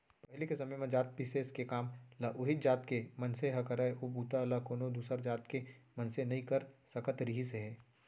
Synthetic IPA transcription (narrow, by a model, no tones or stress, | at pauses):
pɐɦlekesɐmejmẽd͡ʒaːt̪̚piseskekaːmlaʔʊɦɪt̪d͡ʒaːt̪kemɐnseɦɐkɐɾaeʔobuːt̪alakoːnod̪uːsəɾd͡ʒaːt̪kemɐnsenɐɦĩkɐɾsɐkət̪ɾɪɦiseɦɛː